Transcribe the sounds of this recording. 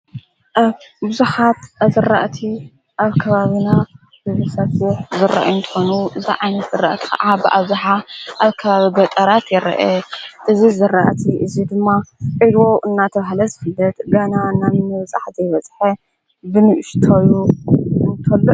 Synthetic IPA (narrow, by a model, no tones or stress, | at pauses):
ʔabɨzuħat̪azɨrːaʔt̪ʰi | ʔaβkʰɐβaβina | bɨzusɐsuħzɨra̰ʔjunt̪ʰɨ̥xo̞nuʔɨziʕajnɐt̪zɨrːaʔt̪ʰi̥xɐ̰ʔabɨʔa̰βzuħaʔaβkʰɐβaβibɐt̪ʼɐɾat̪jɛɾɐ̰ʔeʔɨzizɨraʔt̪ʰiʔɨzid̪ɨmːaʔʼid̪wo̞ʔɨnːat̪ʰɐβahlɐzɨfɨlːɐt̪ɡananammɨβɐt͡sʼa̰ħzejβɐt͡sʼħɐ | bɨnɨʔɪʃt̪ʰojuɨnt̪ʰɐlːo